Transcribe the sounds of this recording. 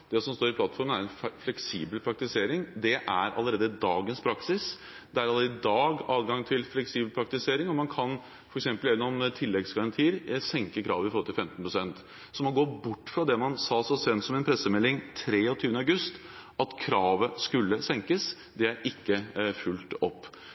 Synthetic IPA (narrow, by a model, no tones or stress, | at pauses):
d̪̥ɛsɔmst̪oːɾɪpʰlɑt̪fɔɾmənæɾɛnflɛksiːbəlpʰɾɑkt̪ɪseːɾɪŋd̪ɛʔæɾʔɑ̰lːəɾeːd̪əd̪ɑːɡənspʰɾɑksɪs | d̪ɛæɾɑləɾed̪d̪ɑːɡɑːʋɡɑŋt̪ʰɪlflɛksiːbəlpʰɾɑk̚t̪ɪseːɾɪŋɔmɑnkʰɑn | fɔɾɛksɛmpəlɛʋənɔmt̪ʰɪlːɛɡsɡɑɾɑnt̪ʰiːəɾsɛŋkəkʰɾɑ̰ːʋəɪfɔɾhɔlt̪ɪlfɛmt̪ən̩pʰɾʊsɛnt̪ | sɔmɑnɡoːbʊʈːfɾɑd̪ɛmɑnsɑːsɔsɛnsɔmɛnpʰɾɛsːəmɛlːɪŋt̪ʰɾeːɔt̪ʰyːʋənəɑɡʉst̪ | ɑt̪kʰɾɑːʋəskʉlːəsɛŋkəs | d̪ɛæɾɪkːəfʉlt̪ɔpː